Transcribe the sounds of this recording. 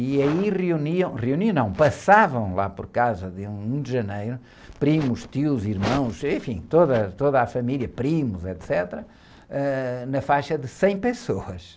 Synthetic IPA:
iɐiʁiuniɐ̃w̃ʁiuninɐ̃w̃pɐsavɐ̃w̃lˠa̰pɔɾkawzɐðɨũũd̪ʒɐnejɾu | pɾimuʃt̪iwziɾmɐ̃w̃ʃẽfḭ̃t̪oðɐt̪oðafɐmilˠjɐpɾimuzɛt̪sɛt̪ɾɐ | ɛnɐfajʃɐðɨsẽj̃pɨsoɐʃ

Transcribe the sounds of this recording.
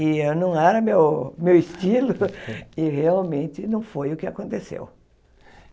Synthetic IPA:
ɪewnɐ̃w̃ɛɾɐmewmewɪst̪ilʊɪheawmẽnt̪ɪnɐ̃w̃fojʊkɪakõnt̪esḛw

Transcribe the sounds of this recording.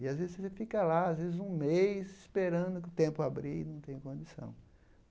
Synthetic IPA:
ɪazvezɪzsefikɐlaazvezɪzũmejsɪspeɾɐ̃nd̪ʊkɪʊt̪ẽmpʊabɾinɐ̃w̃t̪ẽj̃kõd͡ʒisɐ̰̃w̃

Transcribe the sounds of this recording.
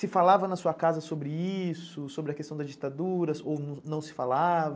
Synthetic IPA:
sɪfalavɐnɐsuɐkazɐsobɾɪisʊsobɾɪɐkest̪ɐ̃w̃d̪ɐzd͡ʒit̪ad̪uɾɐsownnɐ̃w̃sɪ̥falavɐ

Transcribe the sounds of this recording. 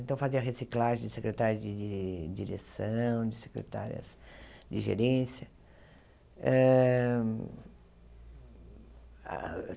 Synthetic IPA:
ent̪ɐ̃w̃faziɐɦesiklaʒẽd͡ʒɪsekɾet̪aɾjʊzd͡ʒɪɪd͡ʒiɾesɐ̃w̃d͡ʒɪse̥kɾḛt̪a̰ɾiɐ̰sd͡ʒɪʒḛɾẽsjɐ | ɛ | a̰

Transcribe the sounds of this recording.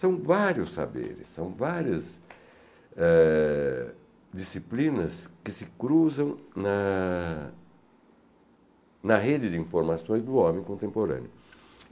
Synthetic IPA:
sɐ̃w̃vaɾjʊsːa̰bḛɾɪsːɐ̃w̃vaɾjɐz | ɛ | d͡ʒ̪isiplĩnɐskɪsɪkɾuzɐ̃w̃nɐ | nɐɦed͡ʒɪd̪ɪĩfoɾmasõj̃zd̪ʊɔ̃mẽj̃kõnt̪ẽmpoɾɐ̰̃njʊ

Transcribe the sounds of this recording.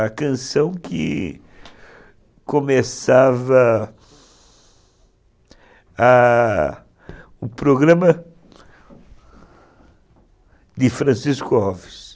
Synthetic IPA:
kɐ̃sɐ̃w̃kɪ̰ | komesavɐ | ɐ | ʊpɾoɡɾɐ̃mɐ | d̪ɪfɾɐ̃siskʊɔvɪs

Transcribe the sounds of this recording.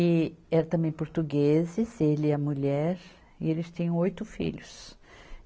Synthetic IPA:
ɪɛɾɐt̪ɐ̃mbẽj̃poɾt̪uɡezɪzelɪɛɐmuʎɛɾ | ɪ̰elɪst̪ẽjɐ̃w̃ojt̪ʊfḭʎʊs

